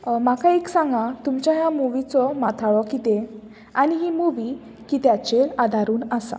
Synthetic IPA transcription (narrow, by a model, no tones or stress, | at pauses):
makaeksãŋɡat̪umt͡ɕjaɦjamuʋit͡sɔmat̪ʰaɭɔkit̪e | aniɦimuʋi | kit̪jat͡ɕelad̪ʱaɾuːnasa̰